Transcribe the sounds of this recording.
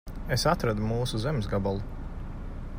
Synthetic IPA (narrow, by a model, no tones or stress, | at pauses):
esat̪ɾad̪umuːsuzemzɡabalˠu